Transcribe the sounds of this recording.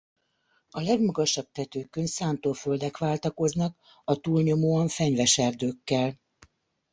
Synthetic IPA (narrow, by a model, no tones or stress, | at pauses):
ɒlɛɡmɒɡɒʃɒb̚t̪ɛt̪øːkøɲsaːnt̪oːføld̪ɛkʋaːlt̪ɒko̞znɒk | ɒt̪uːlɲo̞moːɒɱfɛɲvɛʃɛrd̪øːkːɛl